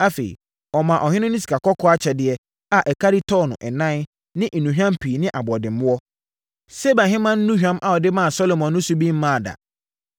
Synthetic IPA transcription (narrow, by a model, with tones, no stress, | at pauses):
a˦fḛ˨ḭ˨ | ɔ˨mã˨ʔɔ˨hɪ̃˦nʊ̃˦nʊ̃˦s̬i̥˨kʰa˨kʰɔ˦kʰɔ˦a˦t͡ɕʰɛ˨dɪ˨ɛ˦ | a˨ʔɛ˨kʰa˦ɾi˦tʰɔ˦nʊ̰̃˨ʔɛ˨nã˦n | nɪ̃˦ʔ̩˨nũ˨ɦᶣã˦mpʰi˨nɪ̃˦ʔa˨bɔ˨dɪ̃˨m˦ʊ̃˦ɔ˦ | se˦bã˨ɦɪ̃˦mã˦n̩˦nũ˦ɦᶣã˦mʔa˨ɔ˨dɪ˦mã˦˨sɔ˦lo˨mɔ̃˨nː˦ʊ̃˦su˦bĩ˦m̩˦mã˦˨da̰˨